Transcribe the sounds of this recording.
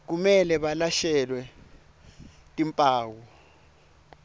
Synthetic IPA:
k̬umɛlɛɓalaʃɛlwɛ | tʼimpʼaːwɔ

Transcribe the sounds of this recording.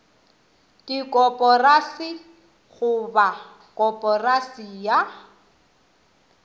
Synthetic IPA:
tʼikʼɔpʼɔrasi | ɣʊba | kʼɔpʼɔrasija

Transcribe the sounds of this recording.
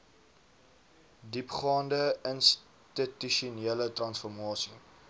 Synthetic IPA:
dipχɑːndəəns | titiʃuneələtrɐnsfɔrmɑːsi

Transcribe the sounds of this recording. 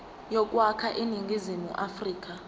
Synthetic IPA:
jɔk̬ʼwakʰaʔiniŋɡʱizimṵʔafriːk̬ʼa

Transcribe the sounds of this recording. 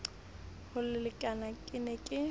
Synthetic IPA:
hʊlɪlɪkʼanakʼɪnɛkʼɪ

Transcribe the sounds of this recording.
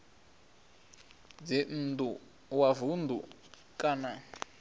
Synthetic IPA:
d͡zin̩du | wavund̪ʱu | kʼana

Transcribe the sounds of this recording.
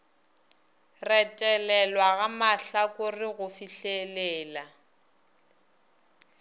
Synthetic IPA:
rɛtʼɛlɛlwaɣamaɬakʼʊrɪɣʊfiɬelɛːla

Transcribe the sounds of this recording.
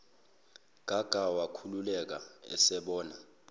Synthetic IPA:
ɡ̥ʱaɡ̥ʱawakʰululɛk̬aɛ̰sɛɓɔːna

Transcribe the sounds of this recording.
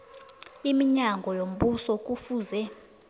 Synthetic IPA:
imiɲaŋɡʱɔjom̩ɓusɔk̬ʼufuːzɛ

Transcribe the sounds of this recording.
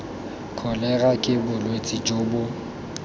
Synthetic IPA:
kʰɔlɛɣakʼɪbʊlwet͡sʼid͡ʒʼoːbʊ

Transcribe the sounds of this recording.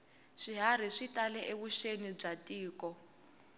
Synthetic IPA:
ʂiɦaɾ̤iʂitʼalɛʔeβuʃenib͡ʐatʼiːkɔ

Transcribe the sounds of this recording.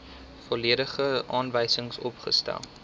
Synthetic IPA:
fɔliəɾəχəʔɑːnvəjsəŋsɔpχə̰stæ̰lˠ

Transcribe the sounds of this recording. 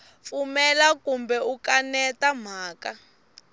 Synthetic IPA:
fumɛlakumbɛukanɛtam̤aːka

